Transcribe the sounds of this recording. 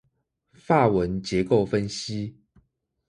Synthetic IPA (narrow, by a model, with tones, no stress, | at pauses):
fa˥˩wə˨˦nt͡ɕjɛ˧˦ko˥˨ʊfə˦nɕi˦